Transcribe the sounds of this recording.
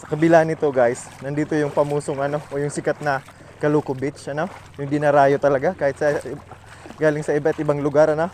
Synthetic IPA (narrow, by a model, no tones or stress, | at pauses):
sɐ̥kɐbɪlaʔnɪt̪o̞ɡajsnɐnd̪iːt̪o̞jʊŋpɐmuːso̞ŋʔɐno̞ʔojʊŋsɪkat̪̚nɐ | kɐluːkʊbɪt͡ʃɐno̞jʊŋd̪ɪnɐɾaːjot̪ɐlɐɡakaːhɪt̪sɐ | ɡaːlɪŋsɐɪbat̪ʔɪbaŋlʊɡaɾɐno